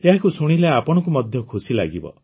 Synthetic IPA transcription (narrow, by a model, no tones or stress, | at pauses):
eɦakusoɽ̃ileapɔɽ̃ɔkumɔd̪ʱjɔkʰusila̰ɡibɔ̰